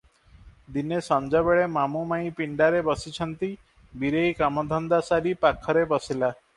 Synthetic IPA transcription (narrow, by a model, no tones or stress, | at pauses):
d̪inesɔnd͡ʒɔbeɭemamumaĩpiɳɖaɾebɔsit͡ʃʰɔnt̪i | biɾejkamɔd̪ʱɔnd̪asaɾipakʰɔɾebɔsila